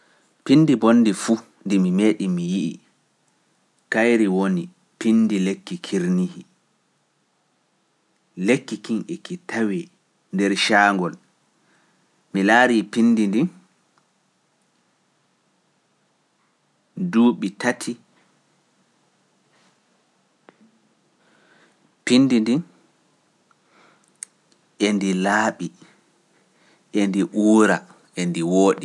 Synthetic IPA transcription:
pinːdibonːdifu | ndimimeːɗimijiʔḭ | kajɾiwoni | pindilekːikʰiɾnihi | lekːikinʔɛkitʰawi | ndɛɾʃaːŋɡɔl | milaːɾipinːdindi | duːɓitatʰi | pindindin | ʔendilaːɓi | ʔendiʔuːɾa | ʔendiwoːɗi

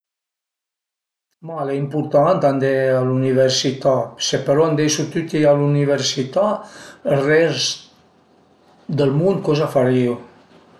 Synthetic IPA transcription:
maleimpuɾt̪ant̪and̪ealuniβəɾsit̪asepəɾɔand̪ejsut̪yt̪ialuniβəɾsit̪aərɛs | d̪əlmund̪̚kɔzafaɾiw

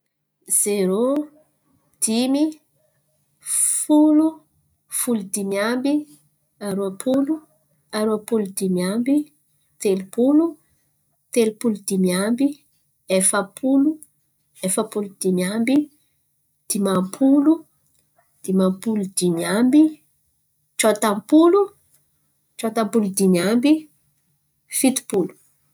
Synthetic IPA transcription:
z̥eɾo | d̪̥imi | fulu | fulud̪imjambi | aɾuapʰulu | aɾuapulud̪imjambi | t̪elipulu | t̪elipulud̪̥imjambi | efəpʰulu | efapulud̪imiambi | d̪̥imampʰulu | d̪̥imampulud̪imambi | t͡ʃot̪ampulu | t͡ʃot̪ampulud̪iniambi | fit̪u̥pulu̥

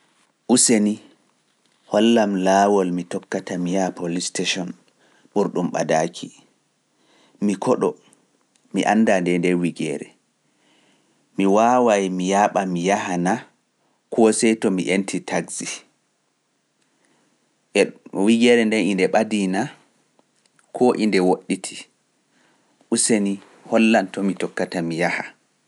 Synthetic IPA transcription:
ʔuseni | hɔlːamlawɔlmitɔkːatamijapolisteʃɔn | ɓuɾɗumɓa̰dakʰi | mikʰɔɗɔ | miʔa̰nːdandɛndɛwiɡɛ̰ːɾɛ | miwawajmijaːɓamijahana | kʰɔsɛjtɔmiʔentʰitʰaɡzi | ɛwiɡɛɾɛndɛnindɛɓadina | kʰɔʔḭndɛwoɗːitʰi̥ | ʔuseni | hɔlːantɔmitɔkːatamijaha

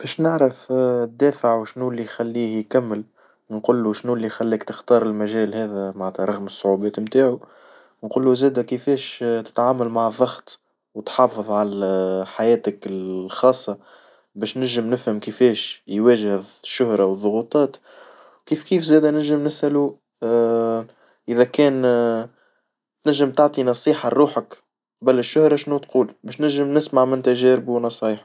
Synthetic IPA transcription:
b̥ɛʃnɪʕɾɪfd̪ːɛːfəʕwʃnuːlːixælːiːhjkæmːəl | nqulːuʃnuːlːixælːiːkt̪əxt̪ɑːɾˤɪlmæʒɛːlhɛːðæmaʕnt̪æɾˤɑɣməsˤːʊʕubɛːt̪mt̪aːʕu | nquːlːuzɛːd̪ækəfɛːʃt̪ɪ̥t̪ʕaːmalmaʕðˤːɑɣt̪ | wt̪ħɑfɨðˤʕalæħajɛːt̪əkɪlxɑːsˤːɑ | bɛːʃnæʒɪmnɪfhəmkəfɛːʃjwɛːʒhðʃːʊhɾˤɑwəðˤːʊɣuːt̪ˤɑːt̪ | wkiːfkiːfzɛːd̪ænæʒːɪmnɪsʔælu | ʔɪðækɛːn | t̪næʒːɪmt̪ɑʕt̪ˤinɑsˤiːħɑɾˤuːħək | qbælːɪʃːʊhɾˤɑʃnut̪quːlbɛːʃnæʒːɪmnɪsmaʕmɪnt̪æʒɛːɾɪbuwnɑsˤɑːjħ

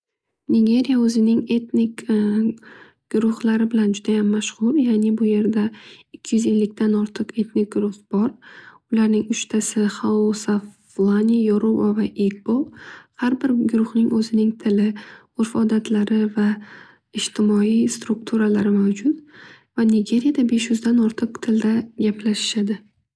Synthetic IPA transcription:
nɪɡʲe̞ɾijaɵzɪnɪŋe̞t̪nɪkʲ | ɡ̥ʊɾʊhlaɾɪbɪland͡ʒʊd̪ajamːaʃʁʊljaːnɪbʊje̞ɾd̪aɪkʲʰːɪjʏze̞lːɪk̚ʲt̪ʰanɒɾt̪ʰɨqe̞t̪nɪk̚ɡʊɾʊχb̥ɒɾʊlaɾnɪŋʊʃt̪ʰasɪχaosa | vlˠanʲijoɾovavaʔekbohaɾbɪɾɡʊɾʊχnɪŋɵzɪnɪŋt̪ʰɪlɪ | oɾfɒd̪at̪ʰlaɾɪva | ɪʃt̪ʰɪmɒijst̪ɾʊk̚t̪ʰuɾalaɾɪmawd͡ʒʊt̪ | vanɪɡʲe̞ɾijad̪abe̞ʃjʊzd̪anɒɾt̪ʰɨqt̪ʰɪld̪aɡʲaplaʃɪ̥ʃad̪ɪ

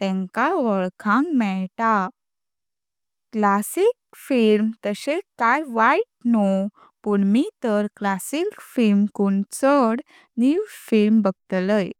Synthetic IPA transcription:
t̪ɛ̃ŋkaʋəɭkʰãŋkmɛɭʈa | klasik̚ | filmt̪əɕekajʋaiʈ̚nɔ | puɳmit̪əɾklasikfilmkuɳt͡səɽ | niwfilmbəɡt̪ləj

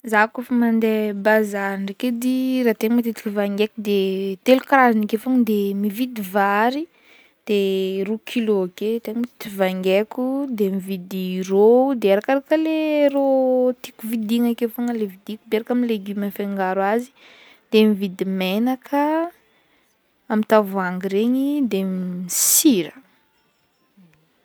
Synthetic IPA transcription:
zakofamand̪ebazaɾaɳɖ͡ʐeked̪iɾat̪eŋmat̪it̪ikivaŋɡekud̪et̪elukɾazanakefoŋəd̪emivid̪ivaɾi | d̪̥erukʰiloaket̪eŋmat̪i̥t̪ivaŋɡekud̪emivid̪irod̪eeɾakaɾakəleɾot̪ikuvid̪iŋakefoŋəlevid̪ikub̪eeɾakamileɡymafeŋɡaɾwazi̥ | d̪̥emivid̪imenakʰə | amint̪avuaŋɡiɾeɲid̪emisiɾə

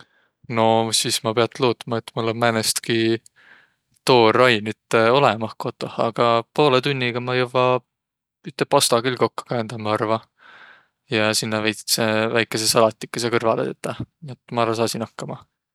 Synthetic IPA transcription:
no̞sismɑpe̞ɑt̪ːloːt̪ːˑmɑe̞t̪ːmulːommænest̪ki | t̪o̞ːrɑjnyt̪ːeo̞lemɑhko̞t̪ːˑo̞hɑɡ̥ɑpo̞ːlet̪unʲːiɡ̥ɑmɑjɯwːɑ | yt̪ːˑepɑst̪ɑɡilko̞kːu̥kæend̪̥ɑmɑɑrvɑ | jɑsinːɑvejt̪sevæjkːˑe̞sesɑlɑt̪ʲːˑi̥kːˑesekɤrvɑlet̪et̪ːɑniet̪ːˑmɑɾɑsɑːsinɑkːɑmɑ

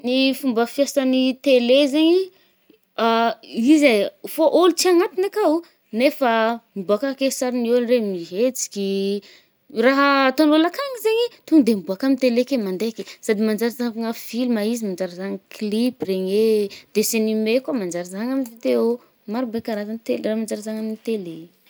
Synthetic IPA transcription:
nifumbəfiasənit̪elezeɲi | aizafoʔolut͡siaŋat̪inakau | nefambuakakesaɾinuanremiɦet͡si̥kʲi | raɦət̪onolakaŋizeɲit̪unid̪embuakamint̪elekemand̪ekʲisad̪imand͡ʒaɾizaŋafilmaizimand͡ʒaɾizaŋəkilipreɲed̪̥esenimekamand͡ʒaɾizaŋaminivid̪eo | maɾibekaɾat̪anit̪elramand͡ʒaɾizaŋaminit̪ele

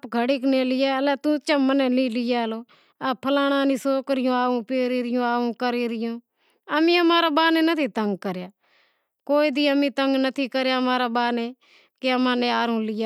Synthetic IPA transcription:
pɡʱəɽiːkneːlɪjaːlɛːt̪ũːt͡ʃəmənɛ̃ːnĩːlɪjaːloː | apʰəlaːɽ̃ãːnĩːsoːkɾɪjõːaːũːpeːɾiːɾɪjõːaːũːkəɾiːɾɪjõː | əmĩːəmaːɾaːbaːneːnət̪ʰiːt̪əŋɡkəɾjaː | koːiːd̪iːəmĩːt̪əŋɡnət̪ʰiːkəɾjaːmaːɾaːbaːneː | keəmãːnẽːaːɾũːlɪjaː

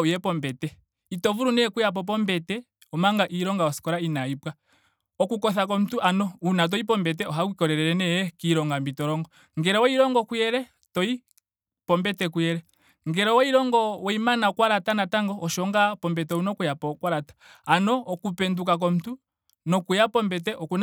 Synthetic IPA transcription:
ujɛpɔmbɛtɛ | itɔvuɾunɛɛkujap̬ɔp̬ɔmbɛtɛ | ɔmaŋɡaʔiɾɔŋɡaɔsi̥kɔɾainaipwa | ɔkukɔθak̬ɔm̩tuʔanɔunat̬ɔip̬ɔmbɛt̬ɛɔɦakwikɔɾɛɾɛɾɛnɛjɛkiɾɔŋɡambitɔɾɔŋɡɔ | ŋɡɛɾɔwɔiɾɔŋɡɔkujɛɾɛ | tɔi | pɔmbɛtɛkujɛɾɛ | ŋɡɛɾɔwɔiɾɔŋɡɔwɔimanakwaɾatanataŋɡɔɔʃɔŋɡapɔmbɛtɛunɔkujapɔkwaɾatḁanɔːkupɛndukak̬ɔm̩tu | nɔkujapɔmbɛt̬ɛʔɔkun

